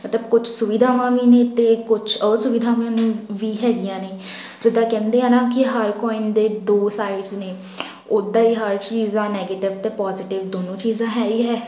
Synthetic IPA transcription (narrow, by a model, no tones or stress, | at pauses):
mət̪ləbkʊt͡ʃʰsʊʋiːd̪ʱaːʋãːʋiːneːt̪eːkʊt͡ʃʰəːsʊʋɪd̪ʱaːʋãːnĩːʋiːɦɛːɡijãːneː | d͡ʒɪd̪ãːkɛ̃ːnd̪eːãːnãːkɪɦəɾkɔːɪnd̪eːd̪oːsaːɪɖzneː | ʊd̪ãːiːɦəɾt͡ʃiːzãːnɛːɡeːʈɪʋt̪eːpɔːzɪʈɪʋd̪oːnõːt͡ʃiːzãːɦɛːiːɦɛː